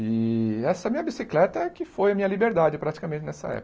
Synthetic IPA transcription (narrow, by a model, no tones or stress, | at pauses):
ɪɛsɐɛmĩɲɐbisiklɛt̪ɐkɪfojɐmĩɲɐlibeɾd̪ad͡ʒɪpɾat͡ʃi̥kɐmẽt͡ʃɪnɛsɐ̰ɛ̰p